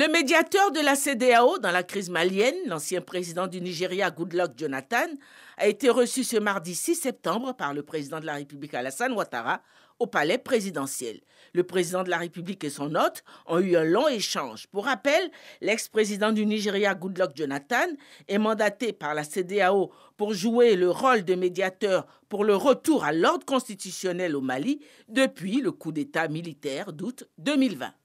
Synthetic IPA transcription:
ləmed̪jat̪œʁd̪əlased̪eaod̪ɑ̃lakχizmaljɛnlɑ̃sjɛ̃pχezid̪ɑ̃d̪yniʒeʁjaɡud̪lɔk̚ʒonat̪an | a̰et̪eʁəsysəmaʁd̪isisɛp̚t̪ɑ̃bʁpaʁləpχezid̪ɑ̃d̪əlaʁepyblikalasanwat̪a̰ʁa | opalɛpχezid̪ɑ̃sjɛ̰lː | əpχezid̪ɑ̃d̪əlaʁepyblikesɔ̃nɔt̪ɔ̃yɛ̃lɔ̃eʃɑ̃ʒpuʁapɛlːɛkspχezid̪ɑ̃d̪yniʒeʁjaɡud̪lɔkʒonat̪anɛmɑ̃d̪at̪epaʁlased̪eao | puʁʒueləʁɔld̪əmed̪jat̪œʁ | puʁləʁət̪uʁalɔʁd̪ʁəkɔ̃st̪it̪ysjɔnɛlomali | d̪əpɥiləkud̪et̪amilit̪ɛʁd̪ut̪d̪ømilvɛ̰̃

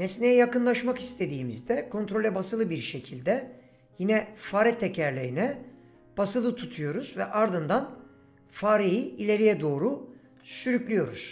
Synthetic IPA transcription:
nesnejɛjakɯnlˠaʃmakist̪ʰe̞d̪iːmizd̪ɛkʰo̞nt̪ɾo̞lʲɛbasɯlˠɯbiɾʃe̞cʰilʲd̪ɛ | jinɛfaːɾɛt̪ʰːecʰæɾlʲeɾinɛ | b̥asɯlˠɯt̪ʰut̪ʰujo̞ɾuz̥vɛʔaɾd̪ɯnd̪an | faːɾijiilʲe̞ɾijɛd̪o̞ːɾu | syɾycʲlʲyjo̞ɾuz̥

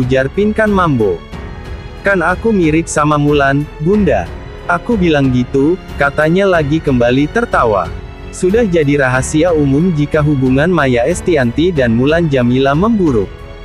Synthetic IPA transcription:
ud͡ʒarpinkanmambo | kanakumiɾɪk̚samamulanɡunda̰ | ʔakubilaŋɡit̪ukat̪aɲalaɡikəmbalit̪ərt̪awa̰ | sudahd͡ʒadiɾaɦasiaumʊmd͡ʒikaɦubuŋanmajaɛst̪iant̪idanmuland͡ʒamilaməmbuɾʊ̰k̚

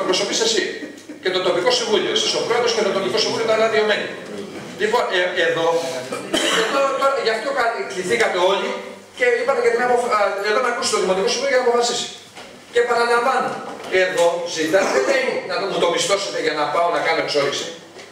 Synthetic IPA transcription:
pɾo̞so̞pisesi | ce̞t̪o̞t̪o̞piko̞siɱvulio̞esisopɾo̞eðoscet̪ot̪o̞piko̞siɱvuliot̪ɐɾɐðio̞menḭ | lipoeeðo̞ | eðo̞t̪oɾʝɐft̪ʰokɐt̪ikliθikɐt̪e̞o̞li | ce̞ipɐt̪ecɐt̪inɐpofeðomeɐkusit̪oðimo̞t̪iko̞siɱvuiojɐnɐpofɐsisi̥ | ce̞pɐnɐlɐɱvɐnoe̞ðo̞zit̪ɐðeeimunɐt̪mut̪o̞pist̪o̞set̪eʝɐnɐpɐo̞nɐkɐno̞e̞kso̞ðisi̥

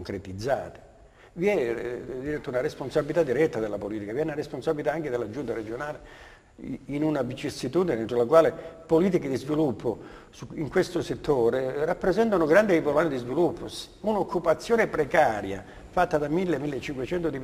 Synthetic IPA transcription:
ŋkɾet̪id̪zːa̰ːt̪e̥ | viɛd̪iɾɛt̪ːunaɾesponsabilit̪ad̪ːiɾɛt̪ːad̪elːapoliːt̪ikaviɛunaɾesponsabilit̪aaŋked̪elːad͡ʒunt̪aɾed͡ʒonaːle | inunavit͡ʃisːit̪uːd̪inent̪ɾolakwaːlepoliːt̪iked̪izvilupʰːosuiŋkwest̪oset̪ʰːoːɾerapːɾezɛnt̪anoɡɾand̪eivolaned̪izvilupːos | unokʰːupat̪sːjoːnepɾekaːɾja̰ | fat̪ːad̪amilːemːilːet͡ʃːiŋkwet͡ʃɛnt̪od̪i

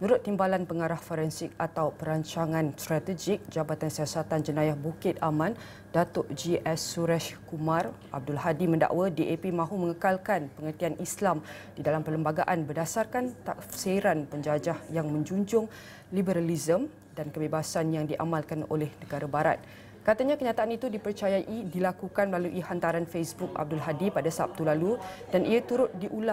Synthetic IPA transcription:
mənuɾʊt̪ːimbalanpəŋaɾahfoɾɛnsɪk̚at̪awpəɾaɲt͡ʃaŋãnst̪ɾat̪əd͡ʒik̚d͡ʒabat̪ansiasat̪and͡ʒənajahbukɪt̪̚amãn | dat̪ʊʔd͡ʒiʔɛsːuɾɛʃkumarʔa̰b̚dʊlɦadimə̃nda̰ʔwadiʔepimãɦumə̃ŋəkalkanpəŋərt̪ianʔislam | d̥idalampələmbaɡaʔanbərdasarkant̪aseɾanpəɲd͡ʒad͡ʒahjaŋmə̃ɲd͡ʒuɲd͡ʒʊŋ | libəɾalizəm | dankəbebasanjaŋdiʔa̰mãlkano̰lɛhnəɡaɾabaɾa̰t̪̚ | kat̪aɲakəɲãt̪aʔanit̪udipərt͡ʃajaʔidilakukanməlaluʔihant̪aɾanfesbuk̚a̰b̚dʊlɦadipadasap̚t̪ulalud̥anʔiat̪uɾʊt̪̚diʔula

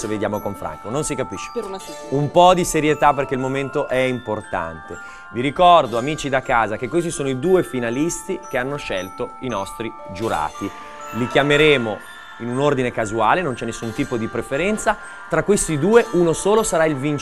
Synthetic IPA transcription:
seved̪jaːmokoɱfɾʔa̰ŋkononsikapiʃːe̥ | umpɔd̪iseɾjet̪aperk̟eilmoment̪oʔɛimport̪a̰nt̪e | viɾikɔrd̪oamiːt͡ʃid̪akːaːzak̟ekːwos̬isoːnoid̪uːefinalist̪ik̟eanːoʃɛlt̪oinɔst̪ɾi | d͡ʒuɾa̰ːt̪i | likjameɾeːmo | inunord̪inekazuaːlenont͡ʃɛnːesːunt̪iːpod̪ipɾefeɾɛnt̪sa | t̪ɾakːwest̪id̪uːeʔunosoːlosaɾailvin

